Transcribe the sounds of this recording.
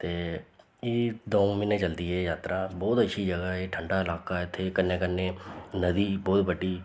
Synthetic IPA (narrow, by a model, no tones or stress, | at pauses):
t̪eː | eːd̪oːmɪnẽːt͡ʃəld̪iːɦɛjaːt̪ɾaːbɔːt̪əːʃʰid͡ʒəɡəːɦeːʈʰəɳɖaːɪlaːkaːɪt̪ʰːekənːẽːkənːeːnəd̪iːbɔːt̪bəʈiː